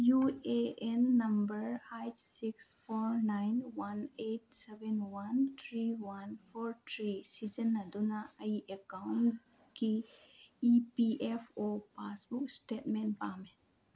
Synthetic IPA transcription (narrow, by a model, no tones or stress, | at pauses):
jueenːɐmbəɾhajtsikspʰɔɾnajnwaneʈ̚sebenwant̪ʰɾiwanpʰoɾtʰɾisid͡ʒənːɐd̪unaɐiʔekawn | kiː | piʔepʰopasbuk̚sʈetmenpamen